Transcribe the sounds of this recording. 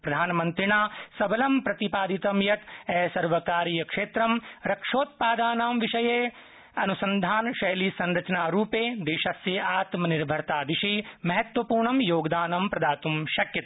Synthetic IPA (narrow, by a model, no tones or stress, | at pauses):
pɾɐd̪ʱaːnmɐ̃nt̪ɾinaːsɐbɐlɐmpɾɐt̪ipaːd̪it̪ɐmjɐt̪ɛːsɐɾʋɐkaːɾijɐkʂeːt̪ɾɐmɾɐkʂoːt̪̚paːd̪aːnaːmʋiʃɐjeː | ɐnusɐ̃nd̪ʱaːnʃɐjlisɐ̃nɾɐt͡ʃnaːɾuːpeːd̪eːʃɐsjɐaːt̪mɐniɾbʱɐɾt̪aːd̪ɪʃimɐɦɐt̪wʋɐpuːɾɳɐmjoːɡd̪aːnɐmpɾɐd̪aːt̪umʃɐkjɐt̪a